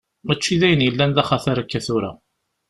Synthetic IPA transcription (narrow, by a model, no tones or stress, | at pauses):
mæt͡ʃːiðæjənjəlːænðæχaθaɾˤakːæθʊɾæ̰